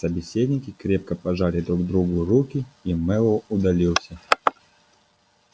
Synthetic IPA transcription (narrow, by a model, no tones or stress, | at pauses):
səbʲɪsʲed̪ʲnʲɪkʲɪkɾʲep̚kəpɐʐalʲɪd̪ɾuɡd̪ɾuɡʊɾukʲɪimɛlˠʊd̪ɐlʲilˠsʲə